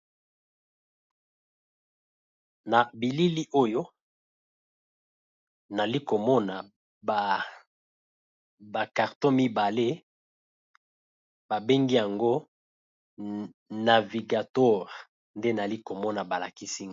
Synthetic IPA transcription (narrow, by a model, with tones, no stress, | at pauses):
na˨bi˨li˦li˦ʔo˦jo˦ | na˨li˦ko˨mɔ˦na˨ | ba˨ | ba˨ka˨ʁtõ˦mi˦ba˨le˦ | ba˨be˦ŋɡi˦ja˨ŋɡo˦ | na˨vi˨ɡa˨twɔ˦ʁ | nde˦na˨li˦ko˨mɔ˦na˨ba˨la˨ki˦si˦ŋ˦